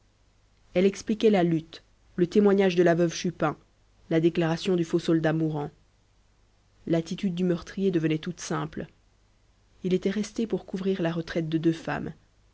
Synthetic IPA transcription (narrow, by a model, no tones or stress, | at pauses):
ɛlɛksplikʲɛlalyt̪ | lət̪emwaɲaʒd̪əlavœvʃypɛ̃ | lad̪eklaʁasjɔ̃d̪yfosɔld̪amuʁɑ̃ | lat̪it̪yd̪̚ːymœʁt̪χijed̪əvənɛt̪ut̪sɛ̃pl | ilet̪ɛʁɛst̪epuʁkuvʁiʁlaʁət̪χɛt̪̚d̪əd̪øfa̰m